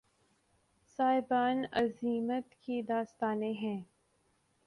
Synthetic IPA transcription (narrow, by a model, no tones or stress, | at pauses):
saːɪbaːnɐziːmət̪kid̪aːst̪aːneɦɛ̃ː